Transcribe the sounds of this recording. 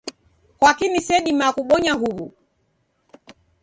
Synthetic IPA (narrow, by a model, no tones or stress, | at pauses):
kwakinisɛɗimakuɓɔɲaɦuβu